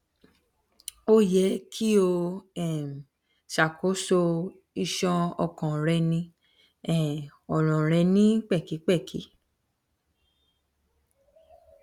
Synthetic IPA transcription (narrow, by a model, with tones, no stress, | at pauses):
o˦jɛ˨˦kʰi˦o˧ɛ˦˨m˨ | ʃa˨kʰo˨˦so˧ | i˧ʃɔ̃˧ɔ̰˧kɔ̃˨ɾɛ˧nĩ˧ | ɛ˦˨ɔ˨ɾɔ̃˨ɾ̃ɛ˧nĩ˦k͡pɛ˦˨ki˨˦k͡pɛ˦˨kʰḭ˨˦